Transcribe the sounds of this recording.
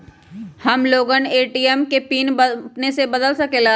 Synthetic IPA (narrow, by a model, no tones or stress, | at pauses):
hɐmloːɡəneːʈijɛmkepiːnpnesebɐd̪əlsɐkelaː